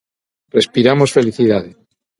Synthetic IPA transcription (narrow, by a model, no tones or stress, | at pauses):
respiɾamo̞sfe̞liθiðaðe